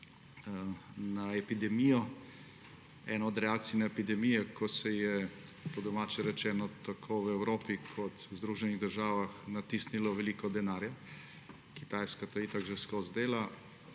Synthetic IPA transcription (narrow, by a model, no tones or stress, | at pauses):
naɛpid̪ɛmijɔ | ɛnɔɔd̪ɾɛaːk̚t̪sijnaepid̪ɛmijɛkʰɔsɛjɛpɔd̪ɔmaːt͡ʃɛɾɛt͡ʃɛːnɔt̪akʰowɛwɾoːpikʰɔt̪wzd̪ɾuʒɛniɣd̪əɾʒaːʋaxnat̪isnilɔʋɛliːkɔd̪ɛnaːɾja | kit̪ajskat̪ait̪aɡʒɛskozd̪eːla